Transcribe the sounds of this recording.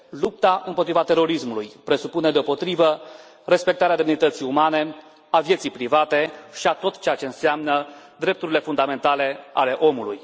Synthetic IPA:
lup̚t̪aʔɨmpo̞t̪ɾivat̪e̞ɾo̞ɾismulujpɾe̞supune̞d̪eo̞po̞t̪ɾivə | re̞spe̞k̚t̪aɾead̪evinit̪ət̪sijumane̞ | avje̞t̪sijpɾivat̪e̞ʃiat̪o̞t̪t͡ʃe̞jat͡ʃe̞ɨnseamnəd̪ɾe̞p̚t̪uɾile̞fund̪ame̞nt̪ale̞a̰le̞ʔo̞mulṵj

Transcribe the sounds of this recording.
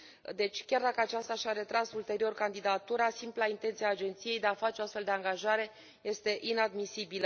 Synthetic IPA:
d̪e̞t͡ʃʲkʲard̪akəat͡ʃast̪aʃaɾe̞t̪ɾasult̪e̞ɾio̞rkand̪id̪at̪uɾasimplaint̪e̞nt̪siaːd͡ʒe̞nt̪sije̞jd̪e̞afat͡ʃeoast̪fe̞ld̪e̞aŋɡaʒaɾe̞ | je̞st̪e̞ʔinad̪misibilə

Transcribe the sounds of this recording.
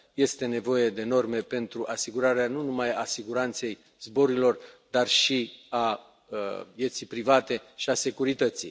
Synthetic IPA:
je̞st̪e̞ne̞vo̞je̞d̪e̞no̞rme̞pe̞nt̪ɾuʔasiɡuɾaɾeanunumajasiɡuɾant̪se̞j | zbo̞ɾilo̞rd̪arʃia | vje̞t̪sijpɾivat̪e̞ʃiase̞kuɾit̪ət̪sḭj

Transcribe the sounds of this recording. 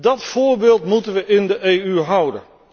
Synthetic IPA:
dɑtfʊːɹbeːlˠtmutənʋəʔɪndəʔeːyɦʌwdə̰n

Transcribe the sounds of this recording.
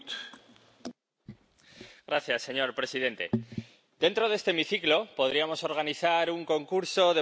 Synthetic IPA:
ɡɾaθjasːe̞ɲo̞ɾpɾe̞siðe̞nt̪e̞̰ | d̪̥e̞nt̪ɾo̞ðest̪eːmiθiklo̞po̞ð̞ɾiamo̞so̞ɾɣ̞aniθaɾuŋko̞ŋkuɾso̞ð̞e

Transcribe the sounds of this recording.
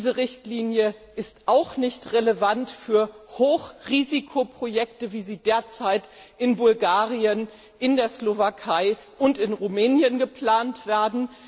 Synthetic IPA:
izəʁɪçtliːnjəʔɪstʔaʊxnɪçtʁeləvantfyːɐhoːxʁiːzikʰopʁ̥ojɛk̚təviːziːdeːɐt͡saɪtʔɪnbʊlɡaːʁiən | ʔɪndeːɐslovakʰaɪʔʊntɪnʁumɛːnjənɡəpl̥aːntv̥eːɐdn̩

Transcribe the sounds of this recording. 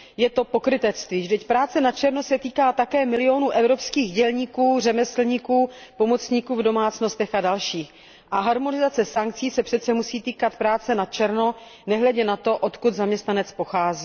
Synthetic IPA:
jɛt̪o̞po̞kɾɪt̪ɛt͡st̪viːʒdɛcpɾaːt͡sɛnat͡ʃɛɾno̞sɛt̪iːkaːt̪akɛːmɪlɪo̞nuːʔɛvɾo̞pskiːɣɟɛlɲiːkuːrɛmɛslɲikuːpo̞mo̞t͡sɲiːkuːvdo̞maːt͡sno̞st̪ɛxadalʃiːx | ʔaɦaɾmo̞nɪzat͡sɛsaŋkt͡siːsɛpr̝̥ɛt̪t͡sɛmusiːt̪iːkat̪pɾaːt͡sɛnat͡ʃɛɾno̞nɛɦlɛɟɛnat̪o̞ʔot̪kud̪zamɲɛst̪nanɛt͡spo̞xaːzi

